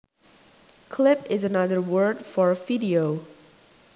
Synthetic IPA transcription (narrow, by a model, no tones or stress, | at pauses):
kʰlɪpɪzənʌðə˞wɜ˞ɹdfɔɹviɾioʊ